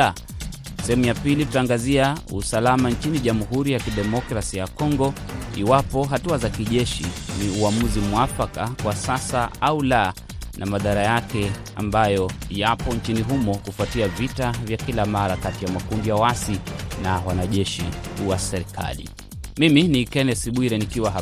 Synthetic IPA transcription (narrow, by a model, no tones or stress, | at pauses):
sɛhɛmujapilitutaːŋɡaziausalamaɲt͡ʃiniʄamuɦuɾijakiɗɛmɔkɾasijakɔŋɡɔ | iwapɔɦatuazakiʄɛʃḭniuamuzimwafakakwasasaaula | nʔamaðaɾajakɛ | a̰mbajɔjapɔɲt͡ʃiniɦumɔkufuatiavitavjakilamaɾakatijamakumbiawasinawanaʄɛʃḭkuwasɛɾikʰa̰lḭ | miminikɛnɛsiɓwiɾɛnikiwaɦa